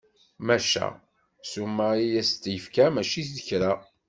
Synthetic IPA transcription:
mæʃæ̰ | sumːæijæst̪ːjəfkæmæʃiθðəçɾa

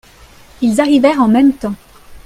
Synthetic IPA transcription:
ilzaʁivɛʁɑ̃mɛmt̪ɑ̃

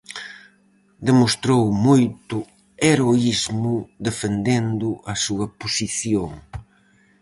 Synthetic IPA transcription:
d̪emost̪ɾowmojt̪ʊ | eɾoizmʊd̪efend̪end̪ʊʔɐsuɐposiθjoŋ

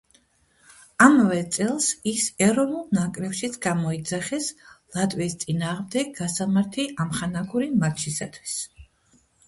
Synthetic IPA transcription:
amvɛt̪sʼɛlˠsisɛɾɔnulˠnakʼɾɛpʃit̪sʰɡamɔid̪zaχɛslˠat̪ʼwist̪sʼinaːʁmd̪ɛɡ̚ɡasamaɾt̪ʰiʔamχanaɡuɾimakt͡ʃʰisat̪ʰwi̥s

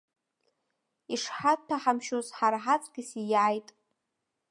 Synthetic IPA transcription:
iʂħat̚tʰaħamʃozħarħat͡sʼɡʲɪsijaːjtʼ

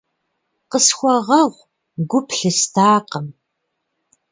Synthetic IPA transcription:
qəsxʷɔʁɐʁʷ | ɡʷʊpʰɬɨstʰaːqəm

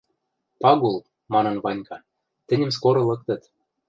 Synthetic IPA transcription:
pɑɡul | mɑnɤ̆nvɑnʲkɑ | t̪ɘ̆nʲɘ̆mskoɾŏlɤ̆k̚t̪ɤ̆t̪

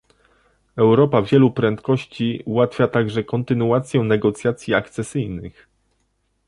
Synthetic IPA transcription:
ɛwɾɔpavʲjɛlupɾɛnt̪kɔɕt͡ɕiuwat̪fʲjat̪aɡʐɛkɔnt̪ɘnuat̪sʲjɛnɛɡɔt̪sʲjat̪sʲjiakt̪sɛsɘjnɘx

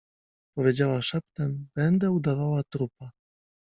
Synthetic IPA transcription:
pɔvʲjed͡ʑawaʂap̚t̪ɛmb̥ɛnd̪ɛud̪avawat̪ɾupa

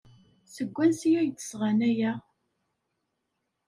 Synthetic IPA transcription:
səɡʷːænsijæjt͡sːə̥sʁanæjæ

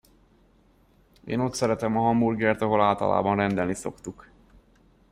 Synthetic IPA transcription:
ḛːno̞t̪sɛɾɛt̪ɛmɒɦɒmburɡɛrt̪ɒɦo̞laːlt̪ɒ̰la̰ːbɒnrɛnd̪ɛlniso̞̰kt̪uk

